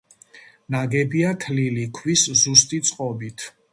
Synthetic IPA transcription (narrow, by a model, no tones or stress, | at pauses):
naɡɛbiat̪ʰlilikʰwiszust̪ʼit̪sʼqʼɔbit̪ʰ